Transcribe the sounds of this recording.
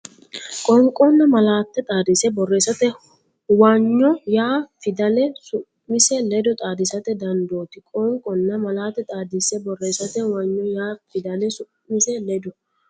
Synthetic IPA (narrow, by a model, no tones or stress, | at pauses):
kʼɔŋkʼɔnːɐmɐlaːt̪ːɛt̪ʼaːd̪ɪsɛbɔrːe̞ːsːɐt̪ɛ | waɲːɔjaːfɪd̪ɐlɛsʊʔːɪsɛlɛd̪ɔt̪ʼaːd̪ɪsɐt̪ɛd̪ɐnd̪o̞ːt̪ɪkʼɔŋkʼɔnːɐmɐlaːt̪ːɛt̪ʼaːd̪ɪsɛbɔrːeːsɐt̪ɛwɐɲːɔjaːfɪd̪ɐlɛsʊ | ɪsɛlɛd̪ɔ